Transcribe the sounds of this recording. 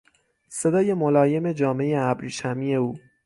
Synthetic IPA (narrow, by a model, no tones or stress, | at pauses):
se̞d̪ɒːje̞molɒːje̞me̞d͡ʒɒːme̞jeæbɾiːʃæmiːe̞uː